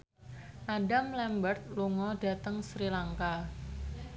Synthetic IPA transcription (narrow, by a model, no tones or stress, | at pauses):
ʔaɖamlɛmbərt̪̚luŋɔɖa̤t̪əŋsɾilaŋka